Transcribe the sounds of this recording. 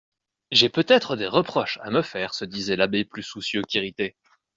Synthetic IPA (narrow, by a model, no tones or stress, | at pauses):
ʒepøt̪ɛt̪χəd̪eʁəpχɔʃa̰məfɛːʁsəd̪izɛlabeplysusjøkʲiʁit̪e